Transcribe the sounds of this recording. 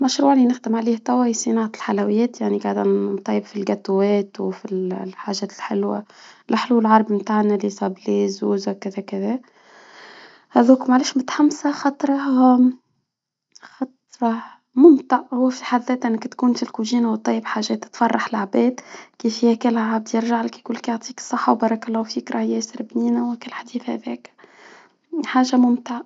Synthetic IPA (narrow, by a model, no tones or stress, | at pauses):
mæʃɾuːʕlinɪxd̪ɪmʕaliːht̪ˤæwæjsˤinɑːʕat̪lħalæwɪjːɛːt̪jaʕniɡaʕd̪ænt̪ˤːɑjːəbfilɡæt̪wɛːt̪wfilħaːʒɛːt̪ɪlħɪlwa̰lɪħluːllʕɑɾˤbmt̪aːʕnælisˤɑbliːzuwzkɪðækɪðæ | hæðuːkmaʕleːʃmʊt̪ħamsaxɑt̪ˤɾˤɑ | xɑt̪ɾˤɑ | mʊmt̪aʕhʊwːfiħaðːɛːt̪ʔɪnːækt̪kuːnfilkuʒiːnawt̪ˤːɑjːəbħaːʒɛːt̪ːɪ̥t̪fɑrˤːɑħlaʕbɛːd̪kiːfhihækɪlʕab̚d̪jɪɾʒaʕlɪkjkʊlːkjoʕt̪ˤiːksˤːɑħːawbɑːɾˤɑklˤːɑːwfiːkɾˤɑhjɛːsɪɾɪbniːnæwækɪlħad̪iːθhæ̰ðɛːk | ħaːʒamʊmt̪ɪʕa